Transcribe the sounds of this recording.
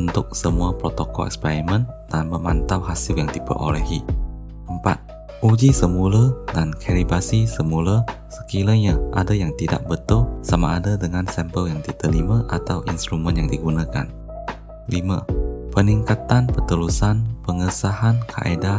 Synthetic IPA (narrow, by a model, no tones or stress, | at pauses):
unt̪ʊk̚səmuapɾot̪okɔ̰ɛ̰kspɛɾimə̃ndanmə̃mant̪awɦasɪljaŋdipə̰ʔo̰lɛɦi | əmpa̰t̪̚ | ud͡ʒisəmulədankʰaɾibasisəmuləsə̥kiləɲaʔadajaŋt̪ida̰ʔ̚bət̪ʊlsama̰ːdadəŋansɛmpəljaŋdit̪əlimãʔat̪awʔinst̪ɾumə̃njaŋdiɡunãka̰n | limapəniŋkat̪anpərt̪əlusanpəŋəsahankʰa̰ʔeda